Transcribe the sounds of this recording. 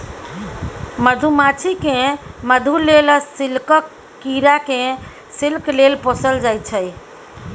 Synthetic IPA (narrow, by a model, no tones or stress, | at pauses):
məd̪ʱumat͡ʃʰikẽməd̪ʱulelsilkəkː | iɾakẽ | silklelpɔsəld͡ʒajt͡ʃʰəj